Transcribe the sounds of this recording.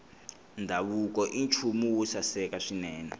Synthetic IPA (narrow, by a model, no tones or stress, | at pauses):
ndʱaβuk̬ɔʔint͡ʃʰumuwusasɛkaʂinɛːnɛ